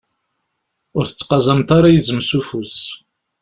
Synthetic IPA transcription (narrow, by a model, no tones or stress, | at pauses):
ʊɾθə̥t͡sːqɑzˤɑmt̪aɾajəzəmsufus